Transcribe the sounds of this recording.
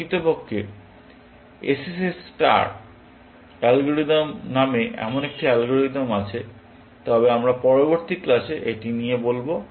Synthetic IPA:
it̪opokʰːe | esesesʈa̰ɾ | ɛlɡoɾid̪omnameʔɛ̰monek̚ʈiɛlɡoɾid̪omat͡ɕʰe | t̪ɔbeamɾapɔɾoboɾt̪iklaʃeʔeʈinijebolbo

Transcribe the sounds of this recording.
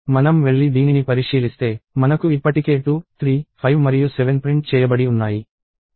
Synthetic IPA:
mɐnɐmʋe̞ɭːid̪iːninipɐɾiʂiːlist̪e̞ːmɐnɐkuipːɐʈike̞ːʈut̪ʰɾiːpʰɐjʋmɐɾijuseʋenpɾiɳʈt͡ʃɛːjɐbɐɽiunːaːji

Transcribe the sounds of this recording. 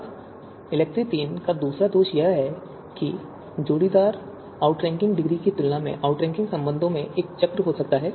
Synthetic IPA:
ɪlɛːk̚ʈɾit̪iːnkad̪uːsɾad̪oːʃjɐɦɦɛ | ki | d͡ʒoːɽid̪aːɾ | aːʊʈɾɛ̃ːŋkɪ̃ŋɡɖɪɡɾikit̪ʊlnamḛ̃ʔaːʊʈɾɛ̃ːŋkɪ̃ŋɡsɐ̃mbə̃nd̪ʱõmẽʔeːk̚t͡ʃɐkɾɦosɐk̚t̪aɦɛː

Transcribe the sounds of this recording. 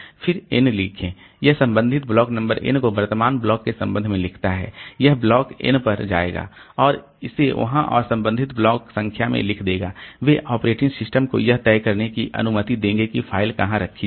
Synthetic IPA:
fʰɪɾɪnliːkʰẽː | jɐɦsɐ̃mbə̃nd̪ʱɪt̪̚blɔːknɐ̃mbəɾʔɪ̰nkobɐɾt̪əmaːnblɔːkːesɐ̃mbə̃nd̪mẽlɪkʰt̪aɦɛ̰ːjɐɦblɔːkɪ̰npɐɾd͡ʒa̰ːḛːɡa̰ːɔːɾ | ɪseʋɐ̰ɦãʔɔ̰ːɾsɐ̃mbə̃nd̪ʱɪt̪blɔːksɐ̃ŋkʰjamḛ̃lɪkʰd̪eːɡaːʋeʔɔːpɾeːʈɪ̃ŋɡsɪsʈəmko̰jɐɦt̪ɛːkɐɾnekiʔɐ̰nʊmət̪id̪ẽːŋɡekipʰaːɪlkɐɦãɾɐkʰːi

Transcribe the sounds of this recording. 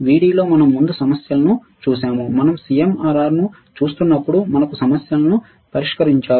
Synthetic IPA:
ʋiːɽiːlo̞ːmɐnɐmːund̪usɐmɐsjɐlɐnu | t͡ʃuːsaːmumɐnɐmsijemaːɾaːɾnu | t͡ʃuːst̪unːɐpːuɽumɐnɐkusɐmɐsjɐlɐnu | pɐɾiʂkɐɾiɲt͡ʃaː

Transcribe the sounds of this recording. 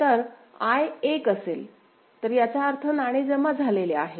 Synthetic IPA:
t̪əɾ | ajekəsel | t̪əɾjat͡ɕjaəɾt̪ʰənaɽ̃ed͡zəmad͡zʱaleleaɦe

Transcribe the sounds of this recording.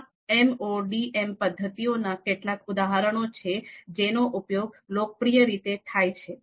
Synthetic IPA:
ɛmoɖiʔempəd̪ʱːət̪ionakeʈlakud̪aɦaɾəɳ̃ot͡ʃʰed͡ʒenoʔupjoɡlokəpɾijəɾit̪et̪ʰajt͡ʃʰe

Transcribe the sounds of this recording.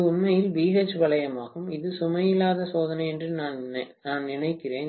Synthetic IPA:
ʊnmɐjɪlbiːɦeːt͡ʃːʋɐɭɐjɐmaːɣɯmɪðɯsʊmɐjɪlaːðɐsoːðɐnɐɛndrɯnaːnnaːnnɪnɐɪkːɪreːn

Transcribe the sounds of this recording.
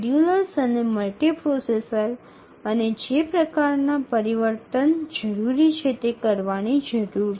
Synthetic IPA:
ɖjuləɾsəneməlʈepɾosesəɾ | əned͡ʒepɾəkaɾnapəɾiʋəɾt̪ənd͡ʒəɾuɾit͡ʃʰet̪ekəɾʋanid͡ʒəɾuɾ

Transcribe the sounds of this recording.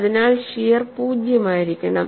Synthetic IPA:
ðinaːɭɕijɐrpuːd͡ʑjɐmaːjiɾikʲːɐɳɐm

